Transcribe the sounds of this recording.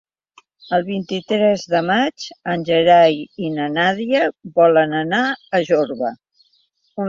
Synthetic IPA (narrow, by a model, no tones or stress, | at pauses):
əlˠβint̪it̪ɾɛzðəmat͡ʃənʲʒəɾajinənaðiəβɔlənənaəʒoɾβə | un